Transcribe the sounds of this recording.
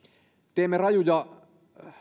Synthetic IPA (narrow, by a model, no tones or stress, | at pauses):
t̪eːmːerɑjujɑ